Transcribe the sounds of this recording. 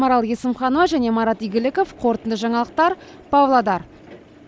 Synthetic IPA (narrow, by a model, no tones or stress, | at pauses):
mɑɾɑlˠje̞sɪmχɑnowɑʒæne̞mɑɾɑt̪ijɡʲɪlɪko̞fqʰo̞ɾt̪ənd̪əʒɑɴɑlˠəq̚t̪ɑɾ | pʰɑvlˠɑd̪ɑɾ